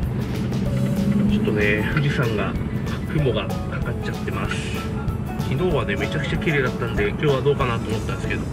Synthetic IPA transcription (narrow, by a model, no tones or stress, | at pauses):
t͡ɕo̞t̪ːo̞ne̞ɸɯ̟ʑisãŋɡakakːɯ̟mo̞ɡa | kakat͡ɕat̪ːe̞masɨ̥ | çʲino̞ːβane̞me̞t͡ɕakɯ̟̥t͡ɕakʲiɾe̞ːd̪at̪ːãnd̪e̞kʲo̞ːβad̪o̞ːkanaːt̪o̞ːmo̞t̪ːanske̞d̪o̞